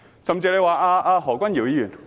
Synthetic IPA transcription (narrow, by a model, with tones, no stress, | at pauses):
sɐ˨˩mt͡siː˧le˨˧waː˨˩aː˧ʔaː˧ɦɔː˨˩kʷɐ˥nji˨˩wjiː˧jyː˨˩n